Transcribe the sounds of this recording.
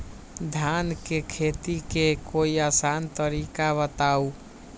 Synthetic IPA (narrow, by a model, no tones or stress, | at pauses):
d̪ʱjankekʰet̪ikekoiasant̪əɾikaβət̪au